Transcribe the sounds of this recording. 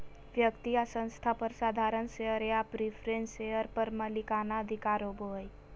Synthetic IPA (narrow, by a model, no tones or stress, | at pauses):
ʋjəkt̪iasə̃nst̪ʰapəɾsaːd̪ʱaːɾənʃeɦəɾeapɾipʰɾẽnseɦəɾpəɾməlikaːnaəd̪ʱɪkaːɾoːbʱoj